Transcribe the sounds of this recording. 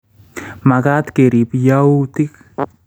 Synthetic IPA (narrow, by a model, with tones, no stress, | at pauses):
ma˨ka˦t̪keɾi˨pjauti˦k